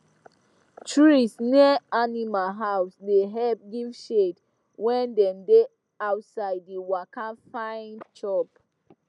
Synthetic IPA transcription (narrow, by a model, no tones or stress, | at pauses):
t͡ʃuɹisnianimalɦawsdeɦɛlp̚ɡivʃet | wɛ̃ndɛ̃mde | awtsaɪdiwakafãɪ̃ndt͡ʃɔp